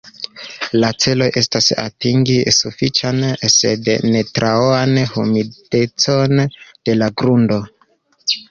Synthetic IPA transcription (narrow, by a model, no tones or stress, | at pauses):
lat͡se̞lo̞jʔe̞stasa̰tiŋɡisufit͡ʃanse̞̰dne̞tɾaoanhṵmid̥e̞t͡so̞nd̥e̞laɡɾundo̞